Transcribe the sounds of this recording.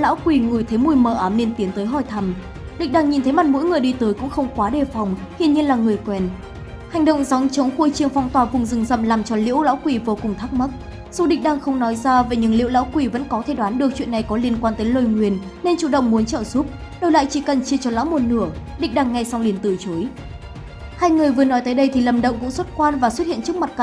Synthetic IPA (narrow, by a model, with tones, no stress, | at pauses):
la̰ː˧˥wkwi˧˩ŋu˨˧˩jt̪ʰə˨˦jmu˧˩jməː˧˩ʔaː˨˦mne˧nt̪i˨˦ənt̪əː˨˦jɦɔ˧˩jt̪ʰa˧˩m | ɗḭ̟˧˨ɗaː˧˩ŋɲi˨˩nt̪ʰə˨˦jma˨˩t̚mo̰˧˥jŋɨ˨˩əjɗi˧t̪əː˨˦jkʊ̰˧˥ŋ͡mxə˧wŋ͡mkwaː˨˦ɗe˧˩fa˨˩wŋ͡mhḭ˧ənɲi˧ənlaː˨˩ŋɨ˨˩əjkwɛ˨˩n | ha˨˩jŋ̟ɗə̰˧˨wŋ͡mza˨˦wŋ͡mt͡ɕə˨˦wŋ͡mxu˧jt͡ɕi˧˩əŋfɔ˧wŋ͡mt̪waː˨˩vʊ˨˩ŋ͡mzɨ˨˩ŋzə̰˧˨mlaː˨˩mt͡ɕɔ˧lḭ˧˥əwla̰ː˧˥wkwi˧˩vo˨˦kʊ˨˩ŋ͡mt̪ʰa˦˥k̚ma˦˥t̚ | z̥u˧ɗḭ̈˧˨ŋ̟̚ɗaː˧˩ŋxə˧wŋ͡mnɔ˨˦jzaː˧ve˨˩ɲɨ̰˧˥ŋlḭ˧ə˨wla̰ː˧˥wkwi˧˩və̰˧˥nkɔ˨˦t̪ʰe˧˩ɗwaː˨˦nɗɨ˨˩ək̚t͡ɕwḭ˧˨ənːa˨˩jkɔ˨˦li˧ənkwaː˧nt̪əː˨˦jlo˧jŋwi˨˩ən | ne˧nt͡ɕu˧˩ɗə̰˧˨wŋ͡mmu˨˦ənt͡ɕə̰ː˧˨zu˦˥p̚ | ɗo˧jla̰ː˧˨jt͡ɕi˧˩kə˨˩nt͡ɕi˧ət͡ɕɔ˧la̰ː˧˥wmo˨˩t̚nɨ˧˩əɗḭ˧˨ŋ̟ɗaː˧˩ŋːa˧˩jsa˧wli˧˩ənt̪ɨ̰˧˩t͡ɕo˨˦j | haː˧jŋɨ˨˩əjvɨ˨˩ənɔ˨˦jt̪əː˨˦jɗə˧jt̪ʰi˨˩lə˨˩mɗə̰˧˨wŋ͡mkʊ̰˧˥ŋ͡mswə˦˥t̚kwaː˧nvaː˨˩swt̚hḭ˧˨ənt͡ɕɨ˦˥k̚ma˨˩t̚ka˧˩